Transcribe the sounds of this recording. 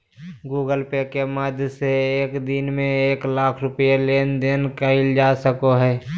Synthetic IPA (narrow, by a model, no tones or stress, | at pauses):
ɡuːɡəlpekeməd̪ʱjseeːkd̪ɪnmẽeːklaːkʰɾʊpjeleːnd̪eːnkəɪld͡ʒasəkoɦɛː